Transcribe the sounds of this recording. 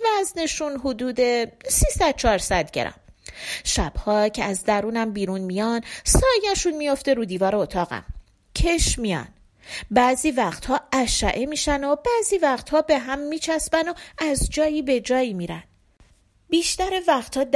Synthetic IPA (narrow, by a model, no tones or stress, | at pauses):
væzne̞ʃunɦod̪uːd̪e̞siːsæd̪̥̚t͡ʃʰɒːɾsæd̪ɟḛɾɒ̰mʃæb̥hɒːcʰeæzd̪æɾuːnæmbiːɾuːnmijɒnsɒːjæʃunmijo̞ft̪e̞ɾuːd̪iːvɒːɾeot̪ʰɒːɣæ̰m | cʰeʃmijɒ̰ːn | bæziːvæχt̪hɒːʔæʃæ̰ʔemiːʃænob̥æziːvæχt̪hɒːbe̞ɦæmːiːt͡ʃʰæsbæno̞æzd͡ʒɒːjiːbe̞d͡ʒɒːjimiːɾæn | biːʃt̪æɾevæχt̪ʰhɒːd̪